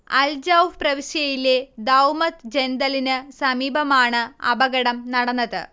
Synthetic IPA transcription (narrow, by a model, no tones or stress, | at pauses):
ɐ̰ld͡ʑɐwʋprɐʋiɕjɐjile̞d̪ɐwmɐt̪d͡ʑend̪ɐlinɨsɐmiːbʱɐmaːɳɨɐ̰bɐɡɐɽɐmnɐɽɐnːɐðɨ̰